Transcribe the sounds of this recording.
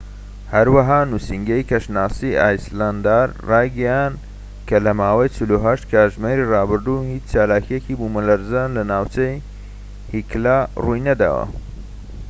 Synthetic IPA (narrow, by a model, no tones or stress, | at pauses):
hɐɾwɐɦaːnusiŋɡejkʰɐʃnaːsiʔa̰ːjsland̪aɾrɑːjɡɐjand̪ | kʰɐlɐmaːwɐjt͡ʃɪluɦɐʃt̪̚kʰaːʒmeːɾirɑːbɨɾd̪uhiːt͡ʃt͡ʃaːlaːkʰijekibumɐlɐɾzaːnlɐnaːwt͡ʃej | hiklarujnɐd̪a̰ːwɐ̰